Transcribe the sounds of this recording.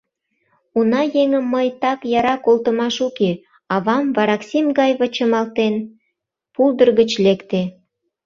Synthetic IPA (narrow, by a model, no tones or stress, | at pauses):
unɑjeŋəmːəjt̪ɑkjɑɾɑkolt̪ə̆mɑʃuke | ɑβɑmvɑɾɑksimɡɑjβət͡ɕə̆mɑlt̪en | puld̪ə̆rɣət͡ɕlekt̪e